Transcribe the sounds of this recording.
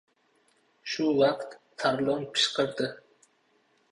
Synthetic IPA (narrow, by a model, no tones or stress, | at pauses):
ʃʊwɑqt̪ʰːaɾlˠonpʰɨ̥ʃqəɾd̪ɪ